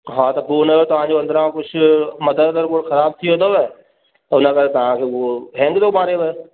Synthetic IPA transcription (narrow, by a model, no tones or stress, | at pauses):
ɦãːt̪abuːneːoːt̪ʊɦãːd͡ʒoːə̃nd̪ɾãːkʊt͡ʃʰməd̪əɾd̪əɾkoɽkʰəɾaːb̚t̪ʰiːɦoːd̪oːʋɛː | t̪ːʊnãːkəɾt̪ãːkeːʋoːɦɛ̃ːŋɡd̪oːbaːɾeːʋɛ